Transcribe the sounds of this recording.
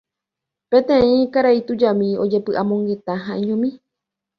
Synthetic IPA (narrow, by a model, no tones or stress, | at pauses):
pẽt̪ẽĩkaɾait̪ud͡ʒamĩo̰d͡ʒe̞pɨʔamõŋɡe̞t̪aɦãʔĩɲõmĩ